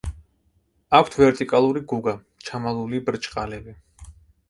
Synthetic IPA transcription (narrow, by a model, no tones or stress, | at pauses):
akʷʰt̪ʰvɛɾt̪ʼikʼalˠuɾiɡuɡa | t͡ʃʰamalˠulibɾt͡ʃʼqʼalɛbi